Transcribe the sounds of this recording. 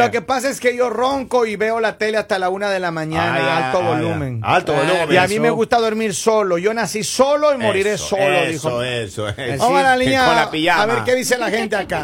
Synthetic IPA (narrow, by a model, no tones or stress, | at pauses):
lo̞ke̞pasaeske̞ʝoro̞ŋko̞iβe̞o̞lat̪e̞least̪alaunaðe̞lamãɲanaalt̪oβo̞lumẽnalt̪ooluiamĩme̞ɣust̪aðo̞ɾmiɾso̞lo̞ʝo̞nasiso̞lo̞imo̞ɾiɾe̞soloðixoesoamalaliɲaoapiʝaaβeɾkeðiselaxent̪eaka